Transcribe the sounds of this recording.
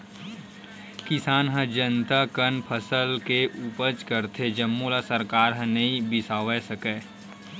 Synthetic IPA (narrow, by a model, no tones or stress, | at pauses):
kɪsaːnɦə̃d͡ʒənt̪akənpʰəsəlkeʔupəd͡ʒkəɾt̪ʰed͡ʒəmːolasəɾkaːɾɦə̃nəĩbɪsaːwɛsəkɛː